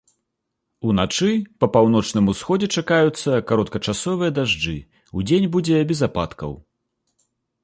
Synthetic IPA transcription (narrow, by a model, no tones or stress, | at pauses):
unat͡ʂɨpɐpawnɔt͡ʂnɨmusxɔd͡zʲɛt͡ʂakajut̪sːɐkaɾɔt̪̚kɐt͡ʂasɔvɨjɐd̪aʐd͡ʐɨ | ud͡zʲenʲbud͡zʲɛbʲɛzapa̰t̪kɐ̰w